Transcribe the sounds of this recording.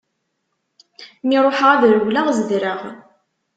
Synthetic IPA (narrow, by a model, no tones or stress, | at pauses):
miɾˤoħʁaðɾəwlaʁzəðɾəʁ